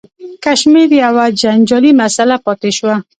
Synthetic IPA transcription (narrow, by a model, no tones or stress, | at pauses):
kaʃmeɾiawad͡ʒand͡ʒɔlimasalapɔt̪eʃwa